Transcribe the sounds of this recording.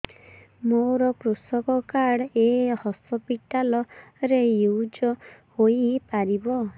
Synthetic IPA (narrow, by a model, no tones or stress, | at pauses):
moɾɔkɾusɔkɔkaɽehɔsɔpiʈalɔɾejud͡ʒɔhoipaɾibɔ